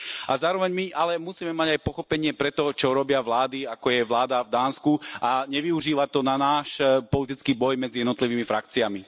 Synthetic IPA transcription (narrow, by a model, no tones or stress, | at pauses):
azaːɾɔʋɛɲmiʔalɛmusiːmɛmaɟajpɔxɔpɛɲɪɛpɾɛt̪ɔt͡ʃɔɾɔbɪaʋlaːd̪iakɔjɛʋlaːd̪avd̪aːnskuaɲɛʋiuʒiːʋat̪ɔnanaːʃpɔlit̪it͡skiːbɔjmɛdd͡zijɛd̪nɔt̪liʋiːmifɾak̚t͡siami